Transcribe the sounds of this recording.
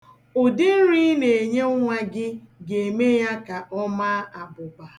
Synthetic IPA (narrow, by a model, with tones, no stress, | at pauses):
ʊ˨dɪ˦n̩˦ɾi˦ne˨e˨ɲe˦ŋʷa˦ɡɪ˦ɡe˨e˨me˦ja˦ka˨ʔɔ˦ma˦a˨bʊ˨ba˨